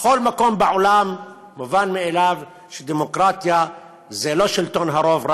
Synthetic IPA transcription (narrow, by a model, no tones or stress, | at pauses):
exolmako̞mbeʕolamː | uvanmielav | ʃed̪emokʁat̪ja | zelo̞ʃilt̪onɦaɾo̞vɾa